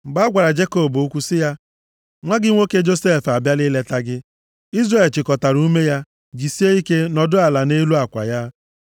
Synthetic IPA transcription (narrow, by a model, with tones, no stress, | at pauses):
ɡ͡ba˦ɡʷa˨ɾa˨d͡ʒe˦ko˦˨bʊ˦kʷu˦sɪ˦ja˦ | ŋʷa˦ɡɪ˦ŋʷo˦ke˦d͡ʒo˦se˦˨fa˨bja˦lɪ˦le˦ta˦ɡɪ˦ | i˦zre˨lt͡ʃɪ˨kɔ˨ta˨ɾu˦u˦me˦ja˦ | d͡ʒi˨si˦e˦i˦ke˦nɔ˨dʊ˦a˨la˨ne˦lu˦a˨kʷa̰˨ja˦